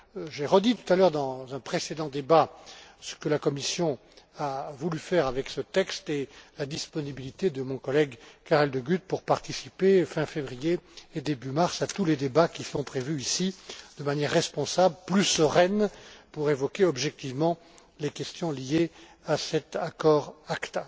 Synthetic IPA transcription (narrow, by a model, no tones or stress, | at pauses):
ʒeʁəd̪it̪u̥t̪alœʁd̪ɑ̃zɛ̃pχesed̪ɑ̃d̪ebasə̥kəlakɔmisjɔ̃ | avulyfɛʁavɛksət̪ɛkst̪elad̪ispɔnibilit̪ed̪əmɔ̃kɔlɛɡkaʁɛld̪əɡyt̪̚puʁpaʁt̪isipefɛ̃fevʁijeːd̪ebymaʁsat̪uled̪ebakʲisɔ̃pχevyisid̪̥əmanjɛʁːɛspɔ̃sabləplysəʁɛnpuʁevɔkʲeɔbʒɛk̚t̪ivmɑ̃ | lekʲɛst̪jɔ̃lije | asɛt̪akɔʁakt̪a